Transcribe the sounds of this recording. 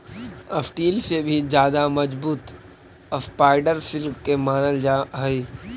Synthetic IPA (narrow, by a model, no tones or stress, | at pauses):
ɐfʈiːlsebʱid͡ʒjaːd̪amɐd͡ʒbuːt̪ | əspaːɪɖəɾsɪlkːemaːnəld͡ʒaɦɐiː